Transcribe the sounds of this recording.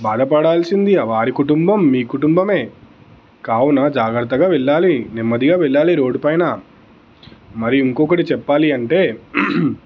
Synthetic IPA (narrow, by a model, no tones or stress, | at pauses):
baːd̪ʱɐpɐɽaːlsind̪iɐʋaːɾikuʈumbɐmːiːkuʈumbɐme̞ː | kaːwunɐd͡ʒaːɡɾɐt̪ːɐɡaːʋɛɭːaːlinimːɐd̪iɡaːʋɛɭːaːliɾo̞ːɖupɐjnɐ | mɐɾiiŋkɔkɐʈit͡ʃɛpːaːliɐɳʈe̞ː